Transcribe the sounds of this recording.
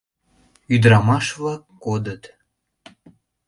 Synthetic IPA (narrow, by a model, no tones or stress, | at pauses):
yd̪ɾɑmɑʃβlɑkːod̪ət̪